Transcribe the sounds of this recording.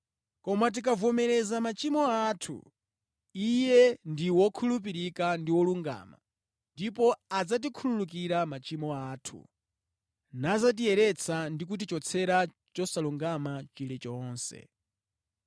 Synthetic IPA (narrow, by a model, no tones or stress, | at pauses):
kɔmat̬ik̬avɔmɛɾɛzamat͡ʃimɔatʰṵ | ijɛndiwɔkʰulupiɾikandiwɔluŋɡa̰ːma̰ | ndipɔad͡zat̬ikʰululuk̬iɾamat͡ʃimɔaːtʰṵ | nazat̬iɛɾɛt͡sʰandik̬ut̬it͡ʃɔt͡sʰɛɾa | t͡ʃɔsaluŋɡamat͡ʃilɛt͡ʃɔːnsɛ̰